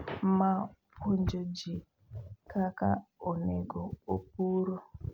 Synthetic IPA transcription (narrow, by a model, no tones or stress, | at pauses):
m̩mapond͡ʒod͡ʒi | kaka̰oneɡoop̚uɾo